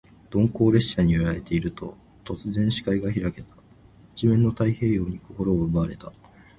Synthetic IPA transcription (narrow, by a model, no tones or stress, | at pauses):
d̪̥õ̞ŋko̞ːɾe̞ɕːaɲ̟ioɾaɾe̞t̪e̞iɾɯ̟t̪o̞ | t̪o̞t͡sɨzẽ̞ɰ̃ɕi̥kaiɡaçiɾake̞t̪ḁ | i̥t͡ɕimẽ̞nːo̞t̪aihe̞ːjo̞ːɲ̟iko̞ko̞ɾo̞ːɯ̟baɾe̞t̪a